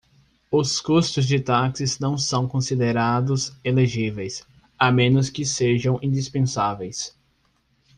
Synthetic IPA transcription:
ʊskust̪ʊzd͡ʒɪt̪aksɪznɐ̃w̃sɐ̃w̃kõsid̪eɾad̪ʊzeleʒivejs | amẽnʊskɪseʒɐ̃w̃ʔĩd̪ispẽsavejs

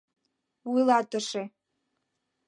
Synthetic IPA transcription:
wilatʰʼɨʂe

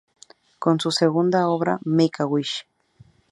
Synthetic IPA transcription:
konsuseɣund̪aoβɾa̰mekawiʃ

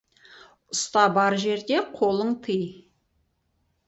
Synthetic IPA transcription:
ʊst̪ɑbɑɾʒe̞ɾd̪e̞qʰo̞lˠəɴt̪ʰəj

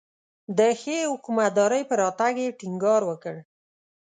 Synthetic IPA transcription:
d̪əxehʊkumat̪̚d̪ɑɾəjpəɾɑt̪aɡjeʈɪŋɡɑɾwəkəɽ

